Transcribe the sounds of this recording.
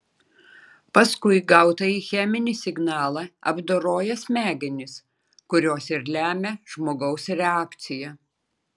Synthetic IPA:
pɐskʊɪɡɐʊt̪ɐiːxʲɛmʲɪnʲisʲɪɡnɑːlˠɑɐ̰bd̪oːɾoːjɛsʲmʲæːɡʲɛnʲɪs | kʊɾʲoːsɪɾlʲæːmʲɛʒ̥moːɡɐʊsɾʲɛɑːkt̪sʲɪjɛ

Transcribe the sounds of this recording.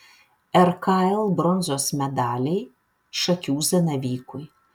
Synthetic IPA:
ɛɾkaɛlˠbɾɔnzoːsmʲɛd̪ɑːlʲɛɪ | ʃɐkʲuːzɐnɐʋʲiːkʊj

